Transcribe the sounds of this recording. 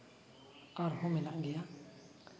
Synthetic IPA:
aɾhominaʔŋɡeja

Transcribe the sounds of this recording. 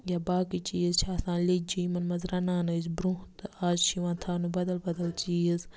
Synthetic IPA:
jabaːkit͡ʃiːzt͡ʃʰaːsãːnled͡ʒiːmɐnmɐzɾanaːnɨzbɾũt̪ɨaːzʃiʋãːt̪ʰaːnɨbɐd̪ɐlbɐd̪ɐlt͡ʃiːz

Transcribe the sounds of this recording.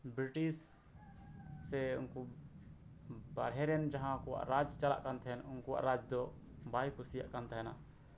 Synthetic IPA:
bɾiʈis | ɛṵnku | ba̰ɽɦɛɾɛnd͡ʒaɦãkɔwa̰ʔɾad͡ʒt͡ʃala̰ʔkant̪ʰɛɦɛnunkuwa̰ʔɾad͡ʒd̪ɔ | bajkʰusija̰ʔkant̪aɦɛna̰

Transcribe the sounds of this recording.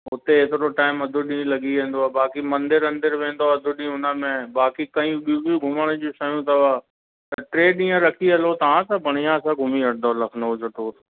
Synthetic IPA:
ʊt̪eɪt̪ɪɾoʈaːɪmɐd̪ʱʊɗĩːlɐɡiʋẽːn̆d̪oaːbaːkimɐ̃nd̪ɪɾɐ̃nd̪ɪɾʋẽːn̆d̪oaɐd̪ʱʊɗĩːʊnəmẽbaːkikɐ̃ĩɓibiuɡʱʊməɽ̃əd͡ʑũsɐjũt̪ɐʋaː | t̪ɐʈɾeːɗĩːə̃ɾɐkʰiɐlot̪ɐʋ̤ãsãbʱɐɽ̤̃ijãsãɡʱʊmiɐʈd̪ʱoːɾlɐkʰnod͡ʑɐt̪oːt

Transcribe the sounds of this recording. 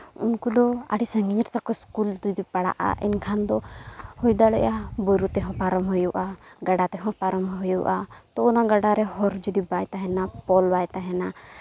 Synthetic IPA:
unkud̪ɔa̰ɽisəŋɡiɲɾt̪akɔskuld͡ʒud̪ipaɽa̰ʔa̰ʔɛ̰nkʰand̪ɔhujd̪alɛ̰ʔjabɔɾut̪ɛɦɔ̃paɾɔmɦujuʔaɡaɖat̪ɛɦɔ̃paɾɔmɦujuʔat̪ɔunaɡaɖaɾɛɦɔɾd͡ʒud̪ibajt̪aɦɛnapɔlbajt̪aɦɛna

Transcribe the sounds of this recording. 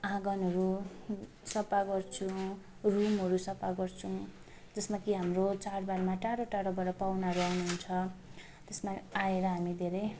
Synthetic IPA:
ãɡʌnʌɾu | sʌpaɡʌrt͡sʰũ | rumɦʌɾusʌpaɡʌrt͡sʰu | d͡zʌsmakiɦamrot͡saɽbarmaʈaɽoʈaɽobʌɾʌpawnaɦʌɾuawnuɦunt͡sʰʌ | t̪esmaaeɾʌɦamid̪ʱeɾʌj

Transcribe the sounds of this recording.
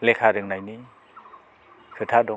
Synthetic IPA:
lekʰaɾɯŋnajni | kʰɯtʰadɔ

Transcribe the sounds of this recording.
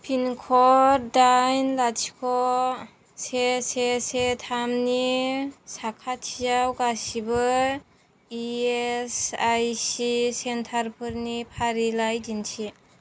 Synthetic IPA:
pʰinkʰɔɾdajnlat͡ʃʰi̥kʰɔ | sesesetʰamnisakʰatʰijawɡasibɯ | iesajsisentʰaɾpʰɯɾnipʰaɾilajdinsʰi

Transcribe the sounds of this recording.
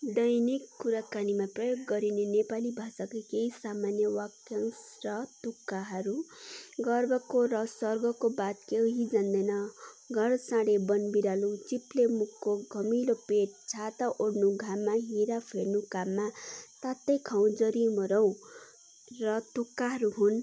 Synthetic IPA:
d̪ʌjnikːuɾakanimaprʌjoɡːʌɾinenepalibʱasakakeɦisamanjʌwakjaŋsrʌt̪ukːaɦʌɾuɡʌrbʌkoɾʌsʌrɡʌkobat̪keɦid͡zand̪ʌjnʌ | ɡʱʌɽsãɽebʌnbiɾalut͡siplemukːoɡʱʌmilopeʈ̚t͡sʰat̪aʔoɽnuɡʱamːaɦĩɾapʰeɽnukamːat̪at̪ːʌjkʰaw̃d͡zʌɾimʌɾʌw̃ | rʌt̪ukːaɦʌɾuɦun

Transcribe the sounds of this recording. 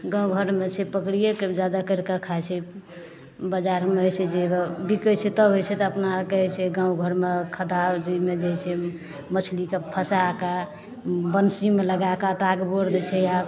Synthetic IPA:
ɡãw̃ɡʱəɾmet͡ʃʰɛpəkɾijaked͡ʒad̪akəɾkakʰajt͡ʃʰɛ | bad͡ʒaɾmeojsɛd͡ʒebikət͡ʃʰet̪əɦojt͡ʃʰɛt̪ɔəpnakəɦɛt͡ʃʰɛɡãũɡʱəɾmekʰəd̪ad͡ʒimed͡ʒeɦt͡ʃʰɛ | mət͡ʃʰlikepʰəsaka | bənsimeləɡakaʈaɡboɾd̪ɛt͡ʃʰɛja

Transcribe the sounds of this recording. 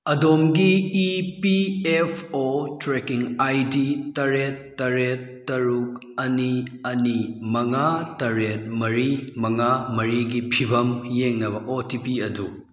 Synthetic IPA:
ɐdomɡiːpiepʰotɾekiŋajditɐɾetːɐɾetːɐɾuk̚ | ɐniɐnimɐŋatɐɾet̚mɐɾimɐŋamɐɾiɡipʰibɐmjeŋnɐbɐʔotipiɐdu

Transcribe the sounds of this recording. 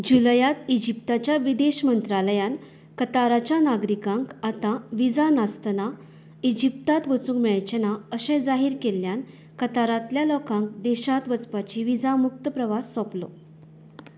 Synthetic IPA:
d͡ʑuləjat̪id͡ʑip̚t̪at͡ɕjaʋid̪eɕmənt̪ɾaləjan | kət̪aɾat͡ɕjanaɡɾikãŋkat̪aʋid͡zanast̪na | id͡ʑip̚t̪at̪ʋət͡suːŋɡmɛɭt͡ɕənaəɕɛ̃d͡zaɦiːɾkeljan | kət̪aɾat̪ljalɔkãŋk̚d̪eɕat̪ʋət͡spat͡ɕiʋid͡zamuk̚t̪əpɾəʋasːɔplo̰

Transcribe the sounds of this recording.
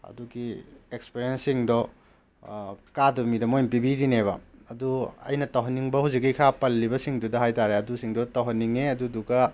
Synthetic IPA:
ɐ̰duɡiekspiɾiensiŋdɔ | kadumidɐmojnpibidineβɐɐduɐ̰jnɐtɐwɦɐnːiŋbɐhuzikːijkʰɾapɐlːibɐsiŋdudɐɦajtaɾeɐdusiŋdɔtɐwɦɐnːiŋeɐdudukɐ

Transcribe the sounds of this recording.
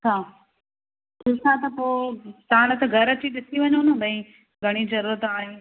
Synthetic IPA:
sʰaː | kʰisat̪ɐpoːt̪ɐãɽɐt̪ɐɡʱɐɾət͡ɕiɗɪsiʋɐɲonũɓɐ̃ĩ | ɡʱɐɽ̃id͡ʒɐɾuːɾət̪aːɦĩ

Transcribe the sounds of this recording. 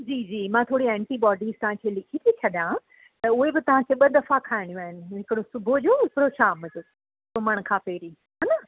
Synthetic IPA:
d͡ʑiːd͡ʑiːmãːt̪ʰoːɽiɛ̃ːɳʈiɓɔːɖiːzt̪ɐʋ̤ãkʰeːlɪkʰit̪ʰit͡ɕʰɐɗjã | t̪ɐʊɦebɪt̪ɐʋ̤ãkʰeːɓɐd̪ɐfakʰaːɦɪɽ̃ijũaːɦɪnɪ̆ɦɪkɽõsʊbʱod͡ʑoːpɾoːʃaːmɐzʊ | sʊməɽ̃kʰãːpeːɾĩ | ɦaːnɐ

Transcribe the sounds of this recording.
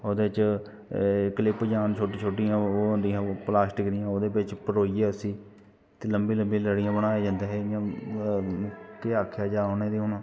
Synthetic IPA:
oːd̪eːt͡ʃ | kəlɪpd͡ʒaːnt͡ʃʰoːʈiːt͡ʃʰoːʈijãːoːɦʊ̃nd̪iːɦãːplaːsʈɪkɾɪjãːoːd̪eːbɪt͡ʃpəɾoːieːəsĩː | t̪eːləmbiːləmbĩːləɽɪjãːbəɽ̃aːeːd͡ʒãːnd̪eːɦejãː | keːaːkʰjaːd͡ʒaːoːneːd̪iːɦoːnãː

